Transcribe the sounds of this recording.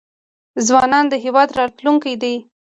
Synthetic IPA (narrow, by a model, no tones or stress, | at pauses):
zwɑnɑnd̪əɦewɑd̪ɾɑt̪luŋkajd̪ej